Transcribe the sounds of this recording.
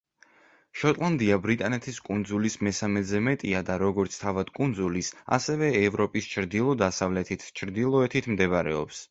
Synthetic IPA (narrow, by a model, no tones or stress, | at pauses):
ʃɔt̪ʼlˠand̪iabɾit̪ʼanɛt̪ʰiskʼund̪zulismɛsamɛzɛmɛt̪ʼiad̪aɾɔɡɔɾt̪sʰt̪ʰavad̪̥kʼund̪zulisa̰sɛvɛːvɾɔpʼist͡ʃʰɾd̪ilˠɔd̪asavlɛt̪ʰit̪ʰt͡ʃʰɾd̪ilˠɔɛt̪ʰit̪ʰmd̪ɛβaɾɛ̰ɔ̰ps